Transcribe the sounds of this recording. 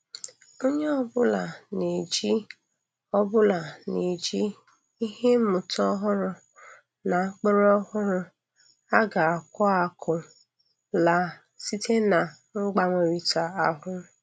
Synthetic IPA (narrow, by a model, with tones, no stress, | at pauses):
o˦ɲe˦ɔ˦bʊ˦la˨ne˨d͡ʒi˦ | ɔ˦bʊ˦la˨ne˨d͡ʒi˦ | i˦ɦe˦mʊ˨tɔ˦ɦʊ˦ɾʊ˨ | na˨˦k͡pe˦ɾɔ˦ɦʊ˦ɾʊ˦ | a˦ɡa˨a˨kʷɔ˦a˨kʰʊ˨ | la˨ | si˦tʰe˦na˨ | ŋ͡m̩˦ɡ͡ba˦me˨ɾi˨ta˨a˨ɦʊ˦